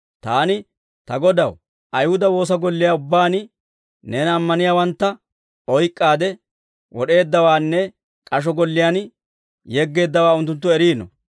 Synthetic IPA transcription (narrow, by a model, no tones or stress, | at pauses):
t̪aːnɪ | t̪ɐɡɔd̪ɐw | ʔɐjhʊd̪ɐwo̞ːs̬ɐɡɔlːɪjaːʊbːaːn | nɛːnɐmːɐnɪjaːwɐnt̪ːɐ | ɔjkʼːaːd̪ɛ | wɔɗe̞ːd̪ːɐwaːnːɛ | kʼɐʃ̬ɔɡɔlːɪjaːn | jɛɡːe̞ːd̪ːɐwaːʊnt̪̬ːʊnt̪ːʊɛɾiːnɔ̰